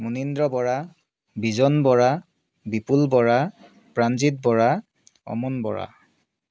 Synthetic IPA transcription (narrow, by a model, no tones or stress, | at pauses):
munindɹɔbɔɹa | bizɔnbɔɹa | bipulbɔɹa | pɹanzit̚bɔɹa | ɔ̰munbɔ̰ɹa̰